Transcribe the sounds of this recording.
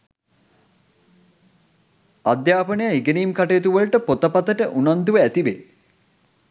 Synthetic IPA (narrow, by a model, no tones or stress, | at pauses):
ad̪jaːpənəjaiɡəniːmkaʈejːt̪uʋəɭʈəpot̪əpat̪əʈəʔunand̪uʋəæt̪iʋe